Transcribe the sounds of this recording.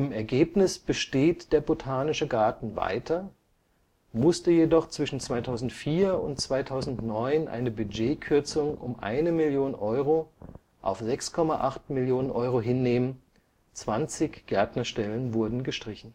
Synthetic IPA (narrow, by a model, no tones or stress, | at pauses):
ʔɪmɛɐɡeːpnɪsb̥əʃteːtd̥eːɐbotʰaːnɪʃəɡaːɐtn̩va̰ɪtʰɐ | mʊstəjedɔχt͡sv̥ɪʃn̩t͡sv̥aɪtʰaʊzn̩tfiːɐʊ̰ntt͡sv̥aɪtʰaʊzn̩tnɔʏnʔa̰ɪnəbyd͡ʒeːkʰʏɐt͡sʊŋʊ̰mʔa̰ɪnəmɪljoːnnʔɔʏʁ̞o | ʔa̰ʊfz̥ɛkskʰɔmaʔaχtmɪljoːnənʔɔʏʁoɦɪnːeːmən | t͡sv̥ant͡sɪçɡ̥ɛɐtnɐʃtɛlənvʊɐdn̩ɡəʃtʁ̥ɪçn̩